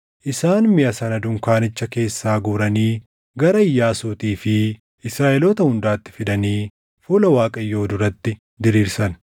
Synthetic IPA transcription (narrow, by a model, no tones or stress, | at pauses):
ʔɪsaːnmɪʔɐsɐnɐd̪ʊŋkaːnɪt͡ʃːɐke̞ːsːaːɡuːɾɐniː | ɡɐɾɐɪjːaːsuːt̪iːfɪ | ɪsɾaːʔɛloːt̪ɐhʊnd̪aːt̪ːɪ̥fɪd̪ɐniː | fuːlɐwaːkʼɐjːo̞ːd̪ʊɾɐt̪ːɪ | d̪ɪɾiːɾsɐn